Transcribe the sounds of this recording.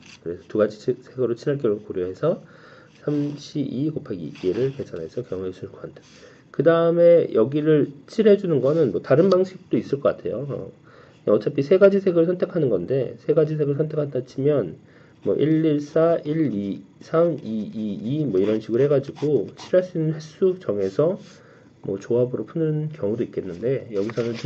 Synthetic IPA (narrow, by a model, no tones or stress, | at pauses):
kɯɾe̞sʰʌtuɡad͡ʑisʰe̞ɡeɾot͡ɕʰiɾaɭk̬͈ʌɭokoɾjoɦe̞sʰʌ | sʰamɕʰiʔikopʰaɡḭeɾɯɭkesʰanɦe̞sʰʌkjʌŋuesʰuɭk͈ʌkatʰḁ | kɯdaɯme̞jʌɡiɾɯɭt͡ɕʰiɾɦe̞d͡ʑunɯnɡʌnɯnmwʌtaɾɯnbaŋɕʰik̚t͈ois͈ɯɭk͈ʌk͈atʰe̞jo̰ʌ̰ | ʌt͡ɕ͈apʰisʰe̞ɡad͡ʑisʰe̞ɡeɾoɭsʰʌntʰe̞kʰanɯnɡʌnde̞sʰe̞ɡad͡ʑis̬ʰe̞ɡɯɭsʰʌntʰe̞kʰatat͡ɕʰimjʌn | mwʌ̰ʔiɭːiɭs͈aiɭi | sʰamiiːmwʌiɾʌnɕʰiɡɯɾohɦe̞ɡad͡ʑiɡot͡ɕʰiɾaɭs͈uinːɯnɸes͈ud͡ʑʌŋe̞sʰʌ | mwʌ̰t͡ɕoabɯɾopʰunɯnkjʌŋudoik͈e̞nːɯnde̞jʌɡisʰʌnɯn